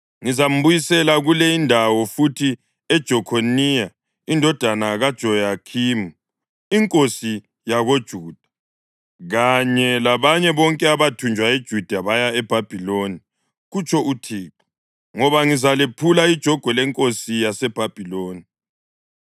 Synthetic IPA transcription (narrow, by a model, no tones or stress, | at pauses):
ŋizam̩βujisɛlaɣulɛindʱawɔfutʰi | ɛd̥ʒ̥ʱɔkʰonija | indʱɔd̥ʱanaɣad̥ʒ̥ʱɔjakʰimu | iŋkʼosi | jaɣod̥ʒ̥ʱuːd̥ʱḁ | ɣaɲɛlaβaɲɛβɔŋkʼɛaβatʰund͡ʒʱwaed̥ʒ̥ʱud̥ʱaβajaɛb̥ʱab̥ʱiloni | ɣut͡ʃʰɔutʰiːǁɔ̥ | ŋɔβaŋizalepʰulaid̥ʒ̥ʱɔɡ̥ʱwɛlɛŋkʼosijasɛb̥ʱab̥ʱiloːni